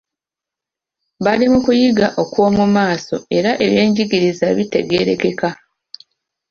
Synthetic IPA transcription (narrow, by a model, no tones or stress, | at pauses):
βalimukujiɡaʔo̞kwo̞ːmumaːso̞̰e̞ɾaʔe̞βje̞ːɲɟiɡiɾizaβite̞̰ɡe̞ɾe̞ke̞ka